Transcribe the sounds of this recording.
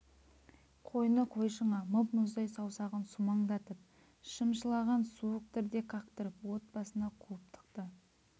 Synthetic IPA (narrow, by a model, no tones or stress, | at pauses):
qʰo̞jnəqʰojʃəɴɑməpmʊzd̪ɑjsɑwsɑʁənsumɑɴd̪ɑt̪əp̚ | ʃəmʃəlˠɑʁɑnsuəq̚t̪ɪɾd̪e̞kʰɑqt̪əɾəpwo̞t̪̚bɑsənɑqʰulˠəp̚t̪ʰə̥qt̪ə